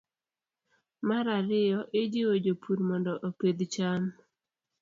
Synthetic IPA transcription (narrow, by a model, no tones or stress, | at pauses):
maɾaɾɪjɔʔɪd͡ʒɪwod͡ʒopʰuɾmɔndɔʔoked̪t͡ʃam